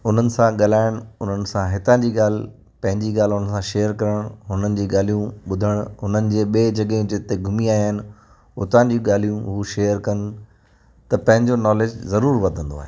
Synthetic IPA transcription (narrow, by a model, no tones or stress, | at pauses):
ʊn̤ənɪ̆sãɠɐl̤aːɪɽ̃ʊn̤ənɪ̆sãɦɪt̪ãːd͡ʑiːɠaːl̤ɪ | pɐ̃ɦɪ̃ɲd͡ʑiːɠaːl̤ɪɦʊnəsãʃeːəɾkɐɾəɽ̃ɦʊnənɪ̆d͡ʑiːɠaːl̤ijũɓʊd̪ʱəɽ̃ɦʊnənɪ̆d͡ʑeːɓeːd͡ʑɐɠɪ̃d͡ʑɪt̪eɡʱʊmiaːiɦənɪ̆ | ʊt̪ãːd͡ʑiũɠaːlijũɦuʃeːəɾkɐn̆ | t̪ɐpɐ̃ɦɪ̃ɲd͡ʑonɔːleːd͡ʑzɐɾuːɾʋɐd̪ʱə̃nd̪o̰a̰ːɦeː